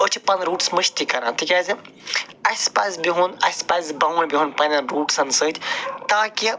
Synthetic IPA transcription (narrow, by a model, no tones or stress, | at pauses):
ot͡ʃʰipɐnɾuːʈsmɨʃt̪ikɐɾãːnt̪ʰikʲaːzʲi | ɐsʲpaːsʲbiɦunɐsʲpaːzbɐːʋnʲbʲiɦunpɐnʲɐɾuːʈsɐnsəːt̪ʰʲt̪aːki